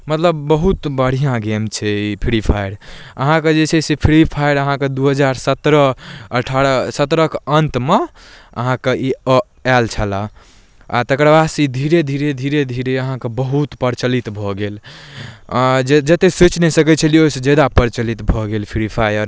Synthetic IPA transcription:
mət̪ləbːəɦut̪bəɽ̤ijãɡemt͡ʃʰɛipʰiɽipʰajɽəɦãked͡ʒet͡ʃʰɛsepʰiɽipʰajɽəɦãked̪uɦəd͡ʒaɾsət̪ɾəəʈʰaɾsət̪ɾəkənt̪me | ə̰ɦãkei | ɛlt͡ʃʰəla | a̰t̪əkɾbasid̪ʱiɾed̪ʱiɾed̪ʱiɾed̪ʱiɾeəɦãkebəɦut̪pəɾt͡ʃəlit̪bʱɔɡel | d͡ʒd͡ʒət̪eset͡ʃnɛsəkɛt͡ʃʰəlioised͡ʒed̪apəɾt͡ʃəlit̪bʱɔɡelpʰiɽipʰajəɾ

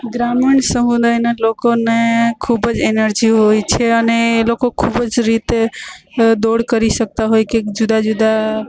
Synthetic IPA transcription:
ɡɾamiɳsəɦũd̪ajnelokonekʰubəd͡ʒenəɾd͡ʒiɦojt͡ʃʰɛənelokõkʰubəd͡ʒɾit̪e | d̪oɽkəɾisək̚t̪aɦojked͡ʒud̪ad͡ʒud̪a

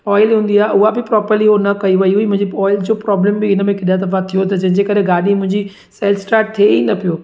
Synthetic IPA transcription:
ɔːɪlɦũːnd̪iaːɦeʔʊɦabɪpɾɔːpəɾliɦonɐkɐiʋɐiuimʊ̃ɦɪ̃ɲd͡ʑiɔːɪld͡ʑoːpɾɔːblɛ̃ːmbɪɪnəmẽkɪɗjat̪ɐfat̪ʰijot̪ɐd͡ʑɐ̃ɦɪ̃ɲd͡ʑekɐɾeɡaːɗimʊ̃ɦɪ̃ɲd͡ʑi | sɛːlsʈaːɾʈ̚t̪ʰeinɐpijoː

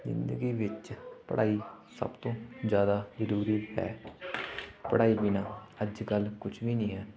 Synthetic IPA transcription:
zɪ̰̃nd̪əɡiːʋɪt͡ʃpə̰ɽʔaːisə̰bt̪õːzjaːd̪aːzəɾuːɾiːɦɛ̰ː | pəɽaːiːbinaːəd͡ʒkəlkʊt͡ʃʰʋiːnĩːɦɛː

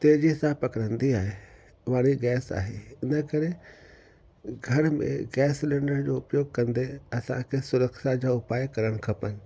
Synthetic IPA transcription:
t̪eːd͡ʑisãpɐkɾə̃nd̪iaːɦe | ʋaːɽ̃iɡɛːsa̰ːɦḛɪnəkɐɾe | ɡʱɐɾmḛ̃ɡɛːslẽːɳɖəɾd͡ʑoːʊpjoːɡ̚kɐ̃nd̪eɐsã̰kʰesʊɾəkʃad͡ʑaːʊpaːjkɐɾəɽ̃kʰɐpənɪ̆

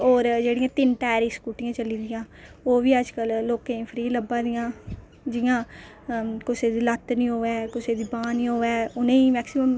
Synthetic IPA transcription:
oːɾd͡ʒeːɽɪjãːt̪ɪnʈɛːɾiːskuːʈɪjãːt͡ʃəliːd̪ɪjãː | oːʋiːəd͡ʒkəlːoːkẽpʰɾiːləbãːd̪ɪjãː | d͡ʒɪjãː | kʊseːd̪iːlət̪nĩːɦoːɛːkʊseːd̪iːbãːnĩːɦoːɛːʊnẽːiːmɛːksɪməm

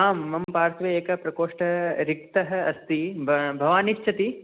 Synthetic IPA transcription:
aːmːɐmpaːɾt̪ʋɐeːkɐpɾɐkoːʂʈɐɾik̚t̪ɐɦɐ̆ɐst̪ibʱɐʋaːniʃt͡ʃʰɐt̪i

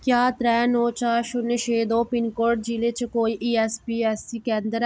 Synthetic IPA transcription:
kjaːt̪ɾɛːnoːt͡ʃaːʃʊneʃeːd̪õːpɪnkoːɾʈ̚d͡ʒiːlet͡ʃkoːiːʔiːɛːspiːɛːsiːkɛ̃ːnd̪əɾ

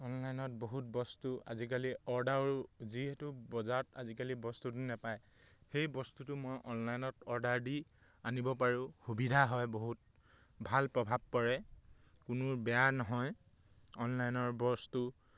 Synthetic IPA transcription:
ɔnlajnɔt̚boɦut̚bɔstua̰zik̬aliɔɹdaɹziɦɛtʊbɔzata̰zikalibɔstut̬ʊnɛpaj | xejbɔstutʊmojʔɔnlajnɔtɔɹdaɹdi | anibɔpaɹũxubidʱaɦɔjboɦut̚ | bʱalpɹɔbʱab̚kɔɹɛ | kʊnʊbɛjanɔɦɔj | ɔnlajnɔɹbɔstu

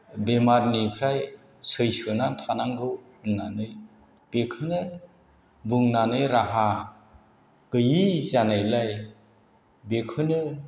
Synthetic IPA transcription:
bemaɾnipʰɾaj | sɯjsɯnantʰanaŋɡɯw | ɯnːanɯj | b̥ekʰɯnɯ | buŋnanɯjɾaɦa | kɯjizanajlaj | bekʰɯnɯ

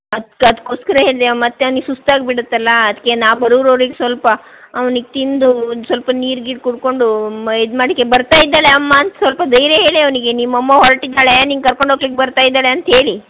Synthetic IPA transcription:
ɐd̪kɐd̪kːoːskɐɾɐɦe̞ːɭd̪eʋmɐt̪ːeɐʋniɡesust̪aːɡ̚biɽut̪ːɐlːɐɐd̪ɐkːenaːʋbɐɾuʋɾɐʋɾiɡesʋɐlpɐː | ʋɐniɡet̪ind̪usʋɐlpɐniːɾɡiːʈkuɽko̞ɳɖuid̪maːɽikːebɐɾt̪aːjid̪ːaːɭeɐmːaːnt̪ɐsʋɐlpɐd̪ɐjɾeɦe̞ːɭiɐʋɐniɡenimɐmːɐɦɔɾʈid̪ːaːɭeniːnɡkɐɾko̞ɳɖʱɦoːɡlikːebɐɾt̪aːjid̪ːaːɭeɐnt̪ɐɦe̞ːɭi

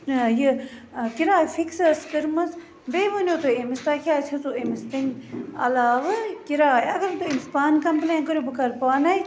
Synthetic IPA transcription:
jɨkiɾaːfiksɐskəɾmɐs | beːʋənʲjoːt̪oemist̪aːkʰʲjaːt͡ʃʰɐsoemist̪ɐnɐ̰laːʋɨkiɾaːjɐɡɐɾt̪oinspaːnkɐmpleːnkəɾjobɨkɐɾpaːnɐj

